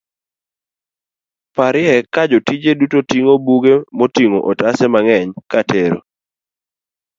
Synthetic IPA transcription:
paɾɪɛkad͡ʒotid͡ʒedutotiŋobuɡemotiŋo̰ʔɔtasɛmaŋɛɲkatʰeɾo̰

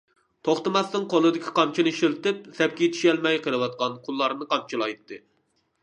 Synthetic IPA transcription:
t̪ʰoχt̪ɨmɑsnɨŋqʰolˠɨd̪ɪkʲʰi̥qʰɑmt͡ʃʰinɨʃilt̪ɪp̚sɛp̚kʲiet̪ʰi̥ʃɛlmɛjqʰəlˠɨwɑt̪̚qɑnqʰʊlˠːɑɾnɨqʰɑmt͡ʃʰilˠɑjt̪ːɨ

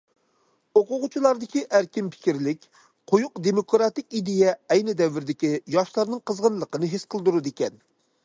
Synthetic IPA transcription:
oqʊʁʊt͡ʃʰilˠɑɾd̪ɪkʲiʔæɾkʲimpʰɪ̥kʲiɾlɪkʲ | qʰojuqd̪emokɾɑt̪ɪkʲid̪ejɛːjnɪd̪ɛvːɪɾd̪ɪkʲijɑʃlˠɑɾnɨŋqʰəzʁənlˠəqənɨɦesqʰəlˠd̪uɾud̪ekʲɛn

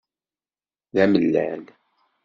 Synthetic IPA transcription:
ðæməlːæ̰l

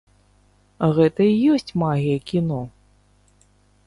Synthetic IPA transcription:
ɣɛt̪ɐijɔsʲt͡sʲmaɣʲijɐkʲinɔ

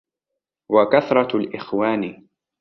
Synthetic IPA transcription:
wakaθɾˤɑlʔɪxwaːni

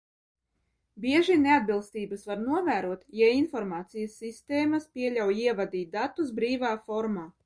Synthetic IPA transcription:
bʲiɛʒinead̪̚bilˠst̪iːbɐsvaɾnuɔvæːɾuɔt̪jainfɔɾmaːt̪sijasːist̪eːmɐspʲiɛlʲawiɛvad̪iːt̪̚d̪at̪ːusbɾiːvaːfɔɾmaː

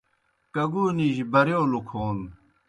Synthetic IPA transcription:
kɐɡuːniːʑibɐɾeolukʰoːn

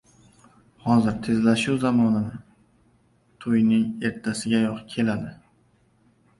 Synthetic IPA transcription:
hɒzɪɾt̪ʰe̞zlaʃʊwzamɒnanɪ | t̪ʰojnɪŋe̞ɾt̪ʰːasɪɡʲajɒqkʲʰe̞lad̪ɪ

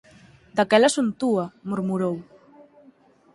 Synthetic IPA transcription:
d̪akɛlasunt̪uamuɾmuɾow

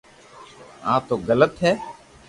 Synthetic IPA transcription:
ã̰ːt̪oːɡələt̪ɦɛː

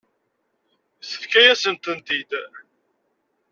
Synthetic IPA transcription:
θə̥fkæjæsənt̪ənt̪id̪

